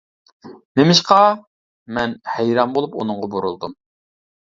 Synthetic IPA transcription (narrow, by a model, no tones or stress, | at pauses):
nemɪʃqɑ | mɛnhɛjɾɑmbolˠupṵnʊŋʁɑbuɾulˠd̪um